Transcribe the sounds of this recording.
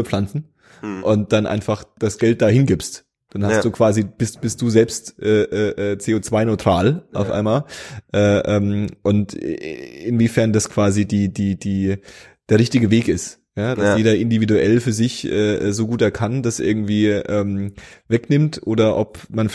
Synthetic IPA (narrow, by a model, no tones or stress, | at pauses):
ɐp͡flant͡sn̩ | ʔʊnt̚d̥anʔa̰ɪnfaχd̥asɡ̥ɛlt̚d̥aːhɪnɡɪpst | d̥anhasd̥uːkv̥aːzib̥ɪstb̥ɪst̚d̥uːzɛlpstʔɛːʔɛːʔɛːt͡seːot͡sv̥aɪnɔʏtʁ̥aːlʔa̰ʊfʔa̰ɪnmaːlʔɛːʔɛːmʔʊnt | ɪnviːfɛɐndaskv̥aːzidiːdiːdiː | d̥eːɐʁɪçtɪɡəveːkɪst | jaːd̥asjeːdɐʔɪndividuʔɛlfyːɐzɪçʔɛːʔɛːzoːɡuːtɛɐkʰand̥asʔɪ̰ɐɡŋ̩tv̥iːʔɛːmvɛknɪmtʔoːdɐʔɔpmanf